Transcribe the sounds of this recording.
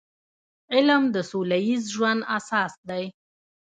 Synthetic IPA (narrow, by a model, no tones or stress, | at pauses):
ɪlmd̪əsulajizʒwand̪asɑːsd̪aj